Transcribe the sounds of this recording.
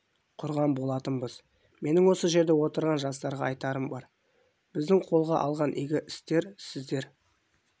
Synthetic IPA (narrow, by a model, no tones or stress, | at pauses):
qʰʊɾʁɑmbo̞lˠɑt̪ənbəz | me̞nɪŋwo̞səʒe̞ɾd̪e̞wo̞t̪əɾʁɑnʒɑst̪ɑɾʁɑɑjt̪ɑɾəmbɑɾ | bɪzd̪ɪŋqʰo̞lˠʁɑ̰ʔɑlˠʁɑnʔḭɡʲɪʔɪst̪e̞ɾsɪzd̪e̞ɾ